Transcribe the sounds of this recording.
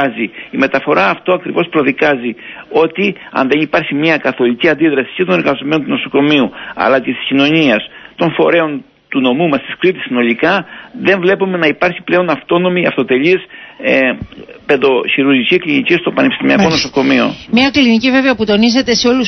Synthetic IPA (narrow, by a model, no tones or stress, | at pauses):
ziime̞t̪ɐfo̞ɾɐːft̪oɐkɾivo̞spɾo̞ðikɐzio̞t̪i | ɐ̰nðe̞nipɐɾçimiɐkɐθo̞liciɐnd̪iðɾɐsi̥ce̞t̪o̞ne̞ɾɣɐzome̞no̞nt̪uno̞so̞ko̞miuɐ̰lɐcest̪i̥scino̞ɲiɐst̪o̞nfo̞ɾe̞o̞n | t̪uno̞mumɐst̪i̥skɾit̪isːino̞likɐðe̞ɱvle̞pume̞nɐipɐɾçi̥ple̞o̞nɐft̪o̞no̞miɐft̪o̞t̪e̞ʎis | pe̞ðo̞çiɾuɾʝiciklinicist̪o̞pɐnepist̪imiɐko̞no̞so̞ko̞mio̞̰mɲɐklinicive̞veɐput̪o̞nize̞t̪e̞seo̞lu